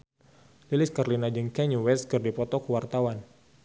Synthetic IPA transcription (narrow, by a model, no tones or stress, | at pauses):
lilɪskarlinad͡ʒəŋkɛɲuwɛskɨrdipɔt̪ɔkəwart̪awan